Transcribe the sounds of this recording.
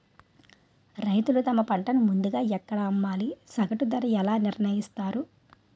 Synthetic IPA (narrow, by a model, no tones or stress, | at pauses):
ɾɐjt̪ulut̪ɐmɐpɐɳʈɐnumund̪uɡaːɛkːɐɽɐːmːaːlisɐɡɐʈud̪ɐɾɐɛlaːniɾɳɐjist̪aːɾu